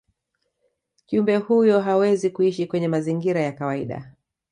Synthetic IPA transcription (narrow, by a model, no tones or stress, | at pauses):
kiumbɛhujɔɦawɛzikuiʃikwɛɲɛmaziŋɡiɾajakawaḭɗa̰